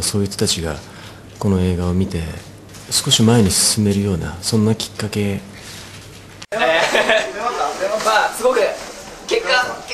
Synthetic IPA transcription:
so̞ːit͡sɨ̥t̪at͡ɕiɡa̰ | ko̞no̞e̞ːɡao̞mʲit̪e̞ | sɨ̥ko̞ɕimaeɲ̟isɨ̥sɨme̞ɾɯ̟jo̞ːna̰sõ̞nːakʲi̥kːake̞ | masɨɡo̞kɯ̟ | kekːã

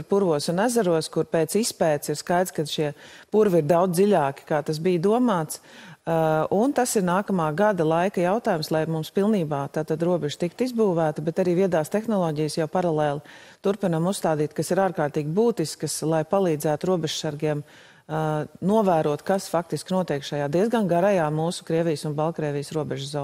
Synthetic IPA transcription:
ɾpuɾʋuɔsunæzaɾuɔskuɾpeːt̪sispɛːt̪siɾskajd̪skad̪ʃiɛpuɾviɾd̪awd̪zd̪iʎaːki̥kaːt̪as̬bijd̪uɔmaːt̪s | unt̪asiɾnaːkɐmaːɡad̪ɐlˠajkɐjaʊt̪aːjumslˠajmumspilˠniːbaːt̪aːt̪ad̪ɾuɔbɛʒt̪ikt̪izbuːʋæːt̪ɐbɛt̪aɾiːviɛd̪aːst̪ɛxnɔlˠɔːɟijəsjawpaɾalˠɛːlˠɪt̪uɾpinamusst̪aːd̪iːt̪kasiɾaːɾkaːɾt̪iːɡʲibuːt̪iskəslˠajpalˠiːd̪zæːt̪uɾuɔbɛʒ̥saɾɡiɛm | nuɔvæːɾuɔt̪kasfak̚t̪iskʲinuɔt̪iɛːkʃajaːd̪iɛzɡanɡaɾajaːmuːsʊ̥kɾiɛʋijəsunbalˠkɾɛːʋijsɾuɔbɛʒzɔː

